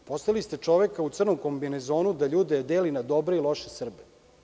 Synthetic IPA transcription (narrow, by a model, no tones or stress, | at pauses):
po̞st̪alist̪et͡ʂoʋekaut̪rnomko̞mbinezo̞ːnud̪aʎuːd̪id̪eːlinad̪o̞bɾeilˠo̞ʃesr̩bɛ